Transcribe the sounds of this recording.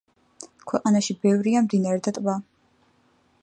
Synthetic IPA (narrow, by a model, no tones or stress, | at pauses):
kʰwɛqʼanaʃibɛvɾiamd̪inaɾɛd̪at̪ʼba